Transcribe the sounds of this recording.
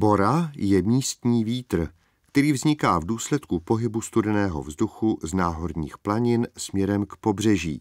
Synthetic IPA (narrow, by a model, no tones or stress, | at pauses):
bo̞ɾajɛmiːst̪ɲiːviːt̪r̩ | kt̪ɛɾiːvzɲɪkaːvduːslɛt̪kupo̞ɦɪbust̪udɛnɛːɦo̞̰vzduxuznaːɦo̞ɾɲiːxplaɲɪnsmɲɛɾɛmkpo̞br̝ɛʒḭː